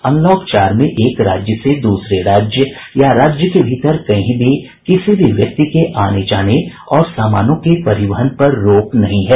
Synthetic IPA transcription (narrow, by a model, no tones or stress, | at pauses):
ɐ̃nlɔːkt͡ʃaːɾmẽʔeːkɾa̰ːd͡ʒjəsed̪uːsɾeɾaːd͡ʒjə | jaɾaːd͡ʒjəkebʱɪt̪əɾkɐɦĩbʱi | kɪsibʱiʋjɐk̚t̪ikeʔaːned͡ʒaːne | ɔːɾsaːmaːnõkepɐɾɪʋəɦənpɐɾːoːknɐɦĩɦɛː